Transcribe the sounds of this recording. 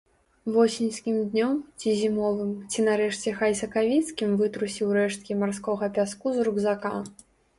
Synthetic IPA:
vɔsʲinʲskʲimd̪nʲɔmt͡sʲizʲimɔvɨmt͡sʲinaɾɛʂt͡sʲɛxajsɐkavʲit̪skʲimvɨt̪ɾusʲiwɾɛʂt̪̚kʲimarskɔɣɐpʲaskuzɾuɡzaka

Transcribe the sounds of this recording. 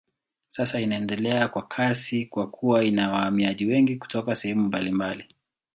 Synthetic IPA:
sasainaɛndɛlɛakwakʰasikwakʰuwainawahamiaʄiwɛŋɡiku̥tɔkasɛhɛmumbalimbali

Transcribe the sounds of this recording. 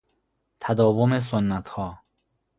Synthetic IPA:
t̪ʰæd̪ɒːvomes̬onːæt̪ʰhɒː

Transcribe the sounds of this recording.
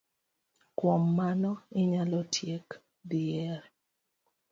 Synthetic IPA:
kwomːanɔɪɲalɔtʰjek | diɛɾ

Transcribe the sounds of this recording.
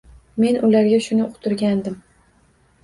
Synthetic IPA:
me̞nʔʊlaɾɡʲaʃʊnɪʊqt̪ʰʊɾɡʲand̪ɪm

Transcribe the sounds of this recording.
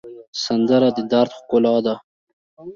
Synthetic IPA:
sand̪əɾad̪əd̪aɾt̪xkʊlɑd̪a

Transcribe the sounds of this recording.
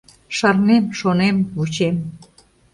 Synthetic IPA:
ʃɑrnemʃonemβut͡ɕem

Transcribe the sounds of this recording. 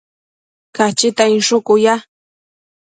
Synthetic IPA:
kat͡ʃɪt̪aɪnʃʊkʊja

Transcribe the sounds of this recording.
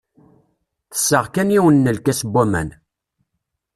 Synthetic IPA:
θə̥sːəʁkæniwənːəlkæsbːæmæ̰n

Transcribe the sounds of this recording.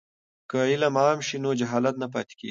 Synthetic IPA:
kəilamɑːmʃinod͡ʒaɦɑːlat̪nap̬ɑ̰ːt̪e̥kḛɡ

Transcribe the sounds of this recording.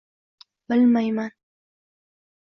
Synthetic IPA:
bɪlmajman

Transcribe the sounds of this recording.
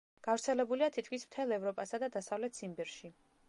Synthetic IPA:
ɡ̥avɾt̪sʰɛlɛbuliat̪ʰit̪̚ʰkʰmismt̪ʰɛlˠɛvɾɔpʼasad̪ad̪asavlɛt̪ʰsimbɛɾʃi

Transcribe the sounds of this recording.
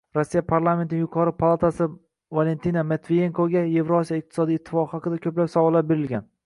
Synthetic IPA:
ɾosːijapʰaɾlˠame̞nt̪nɪŋjʊqʰɒɾɪpʰalˠat̪ʰasɪ | vale̞nt̪ʰinamet̪vijeŋkʰoɡʲaje̞vɾoosijaɪq̚t̪ʰɪ̥sɒd̪ijːt̪ʰːɪ̥fɒqɨhɑqɨd̪akʲʰɵplapsɒwɑlabe̞ɾɪlɡʲan

